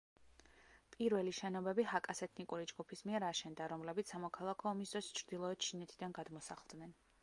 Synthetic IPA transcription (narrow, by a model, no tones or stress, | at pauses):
pʼiɾvɛliʃɛnɔbɛbiɦakʼasɛt̪ʰnikʼuɾid͡ʒɡupʰismiɛɾaʃɛnd̪aɾɔmlɛbit̪ssamɔkʰalˠakʰɔːmisd̪ɾɔst͡ʃʰɾd̪ilˠɔɛt̪̚t͡ʃʰinɛt̪ʰid̪anɡad̪mɔsaχlˠd̪nɛn